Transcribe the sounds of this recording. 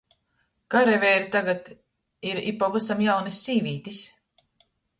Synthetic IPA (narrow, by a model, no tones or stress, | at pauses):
kaɾɛvɛːɾit̪aɡat̪ | iɾḭpːɔvɨsamjawnisʲːiːvʲiːt̪is